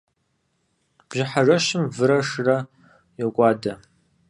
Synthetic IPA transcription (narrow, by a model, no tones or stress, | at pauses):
b̥ʒɪħaʐɐʃɪmvɨɾɐʂrɐ | jokʷʼaːdɐ